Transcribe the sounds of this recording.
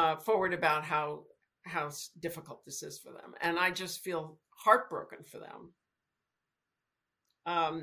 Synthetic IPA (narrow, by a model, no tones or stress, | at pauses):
ʌfɔɹwə˞ɾɨbaʊt̚ɦaʊ | ɦaʊsd̥ɪfəkl̩ˠt̪̚ðɪsɪz̥fə̰˞ðə̰̃mɨ̰̃naɪd͡ʒʌstfilˠ | hɑɹt̚b̥ɹo̰ʊkɨ̃nfə˞ðə̰̃m | ʌ̃m